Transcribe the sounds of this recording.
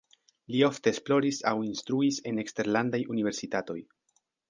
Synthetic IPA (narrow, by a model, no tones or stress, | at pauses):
lio̞fte̞ːsplo̞ɾisawinst̪ɾuise̞ne̞kste̞ɾlandajunive̞ɾsitato̞̰j